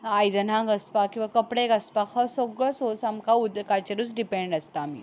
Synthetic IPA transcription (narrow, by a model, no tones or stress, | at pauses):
ajd̪ənãɡəspakĩw̃ʋakəpɽekəspakʰəsoɡɭəsosamkaud̪kat͡ɕeɾuːt͡sɖipeɳɖəst̪aːmḭ